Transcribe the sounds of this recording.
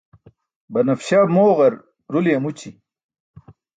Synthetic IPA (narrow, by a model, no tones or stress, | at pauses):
bɐnɐfɕamoːʁɐɾ | ɾulijɐmut͡ɕi